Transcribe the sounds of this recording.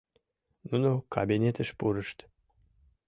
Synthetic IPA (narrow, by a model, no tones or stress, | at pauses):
nunokɑbinʲet̪əʃpuɾəʃt̪